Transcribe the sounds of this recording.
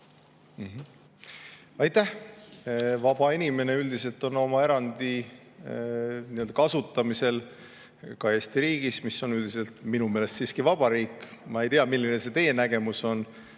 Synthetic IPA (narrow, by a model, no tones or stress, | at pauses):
m̩ɦ | ɑjt̪ˑæh | vɑb̥ɑinʲime̞ne̞yld̪ise̞lt̪o̞no̞mɑe̞ɾɑnd̪̥i | niøld̪̥ɑkɑsut̪ːˑɑmise̞l | kɑe̞ːsʲt̪iɾiːɡ̥ismisːo̞nyld̪̥ise̞lt̪minume̞ːlest̪siːskivɑb̥ɑɾiːkːˑmɑe̞jt̪iɑmilːine̞se̞t̪e̞je̞næɡ̥e̞muso̞n